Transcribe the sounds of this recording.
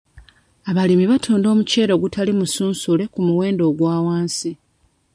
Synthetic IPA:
aβalimiβatʰuːndo̞ːmuce̞ːɾo̞ɡutʰalimusuːnsule̞kumuwe̞ːndo̞ːɡwaːwaːnsi

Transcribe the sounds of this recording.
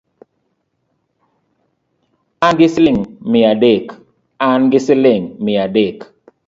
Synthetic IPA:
anɡɪslɪŋmɪadek | anɡɪsɪleŋmɪadek

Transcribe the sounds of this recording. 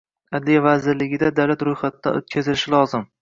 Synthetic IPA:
ad̪lijavazɪɾlɪɡʲɪd̪ad̪awlat̪ɾojχat̪d̪a̰ot̪̚kʲʰazɪlɪʃɪlɒzɪm

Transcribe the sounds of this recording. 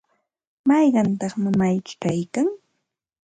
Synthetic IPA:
mɑjɢɑnt̪ɑχmɪmajt͡ʃkajkaŋ

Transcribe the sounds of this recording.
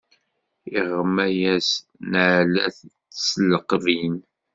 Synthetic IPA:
iʁːəmːæjæs | nʕlæ̰θt͡sːsləqːvin

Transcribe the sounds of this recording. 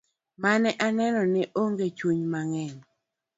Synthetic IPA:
manɛʔanɛnɔnɪʔoŋɡet͡ʃuɲmaŋɛɲ

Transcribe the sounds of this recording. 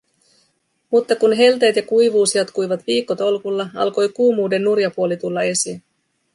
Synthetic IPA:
mut̪ːɑkunɦe̞lt̪e̞ːt̪jɑkujʋuːsjɑt̪kujʋɑt̪ʋiːkːo̞t̪o̞lkulːɑɑ̰lko̞jkuːmuːde̞nːurjɑpuo̞lit̪ulːɑe̞sin

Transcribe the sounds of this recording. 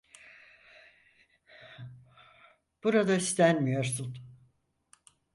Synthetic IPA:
b̥uɾad̪aist̪ʰænmijo̞ɾsun

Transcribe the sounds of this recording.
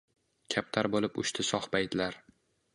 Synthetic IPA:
kʲʰap̚t̪ʰaɾbolɪpʊ̰ʃt̪ʰɪsɒχpajd̪laɾ

